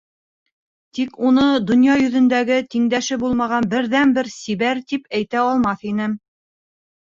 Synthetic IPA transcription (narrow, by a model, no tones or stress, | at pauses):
t̪ikunɤd̪ŏnjɑjɵ̆ðɵ̆nd̪æɡɘt̪iŋd̪æʃɘbulˠmɑʁɑnbɘ̆ɾðænbɘɾsiβæɾt̪ipæjt̪æɑlˠmɑθinɘm